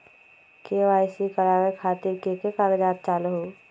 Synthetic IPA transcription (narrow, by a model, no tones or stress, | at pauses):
keʋaːɪsikəɾaːwekʰaːt̪ɪɾkekekaɡd͡ʒaːt̪̚t͡ʃaːlɦoː